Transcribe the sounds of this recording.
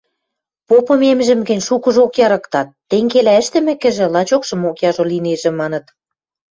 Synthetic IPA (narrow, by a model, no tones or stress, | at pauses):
popɤ̆memʒɘ̆mɡĕnʲʃukɤ̆ʒokjɑɾɤkt̪ɑt̪ːeŋɡelæə̆ʃt̪ɘ̆mɘ̆kɘ̆ʒĕlɑt͡ɕokʃɤ̆mokjɑʒolineʒĕmɑnɤ̆t̪